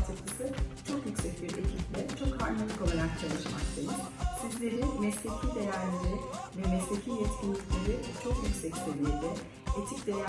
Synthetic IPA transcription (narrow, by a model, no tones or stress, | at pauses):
t̪ʰɯklˠɯsɯt͡ʃʰo̞kjycʲsɛcbiɾḛcʰiplʲɛt͡ʃʰo̞khaɾmalˠɯko̞lˠaɾak̚t͡ʃʰalˠɯʃmakt̪ʰej̪insizlʲe̞ɾimɛslʲe̞cʰiːd̪e̞jæɾlʲeɾivɛmɛslʲe̞cʰijɛt̪cʰʲinːʲicʲlʲeɾit͡ʃʰo̞kjycsɛct̪ʰelʲiɾd̪ɛ | et̪ʰic̚d̪e̞j